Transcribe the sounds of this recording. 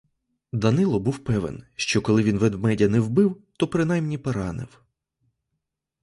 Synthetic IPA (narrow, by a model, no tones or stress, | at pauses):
d̪ɐnɪlˠɔbuwpɛʋḛnʃt͡ʃɔkɔlˠɪʋʲinʋɛd̪mɛdʲɐnɛwbɪwt̪ɔpɾɪnɑjmnʲipɔɾɑnɪ̰w